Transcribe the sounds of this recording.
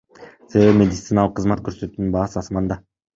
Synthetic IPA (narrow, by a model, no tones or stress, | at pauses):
se̞ve̞imʲe̞d̪ʲɪt̪sɨnalˠəqʰːəzmɑt̪kʰøɾsøt̪yːnynbɑːsɯɑsmɑnd̪ɑ